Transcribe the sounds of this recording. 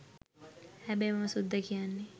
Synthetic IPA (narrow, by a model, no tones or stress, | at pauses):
hæbejmamɐsud̪ːɐkijanːe